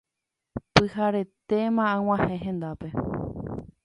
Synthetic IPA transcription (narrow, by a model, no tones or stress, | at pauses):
pɨhaɾe̞t̪e̞mããw̃ãhẽɦẽ̞nd̪ape̞